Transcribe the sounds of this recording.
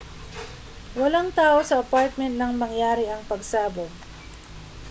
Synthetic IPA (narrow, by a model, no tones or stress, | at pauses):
wɐlaŋt̪aːʔo̞sɐʔɐpaɹt̪̚mɛnt̪̚nɐŋmɐŋjaːɾɪʔɐŋpɐɡsaːboɡ